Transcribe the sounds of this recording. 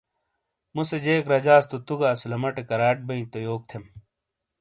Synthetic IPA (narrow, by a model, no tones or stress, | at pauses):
mused͡ʑeːkɾɐd͡ʑaːst̪ut̪uɡaːslɐmɐʈekɐɾaːʈ̚bɐĩt̪ojoːk̚t̪ʰem